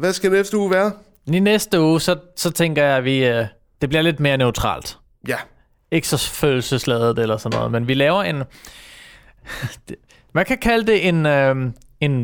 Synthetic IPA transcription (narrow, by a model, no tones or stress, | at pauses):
ʋæsɡ̥ædeefd̥əuːʋæːɐ | ninesd̥əuːsɒ̽sɒ̽t͡sʰeŋ̰ɡ̥ɐjɑ̈ɪʋi | d̥e̝b̥liɐle̝d̥̚me̝ːɐnøʊt͡sʰʁɑ̰̈ːld̥ | jæ | e̝ɡ̥sɒfø̰ːl̩səslɛð̞ˠð̩ˠelɐsɒ̽nːɔ̽ːð̩ˠmenʋilɛːʊɐe̝n | mænkʰækʰæləd̥e̝ʔe̝nø | e̝n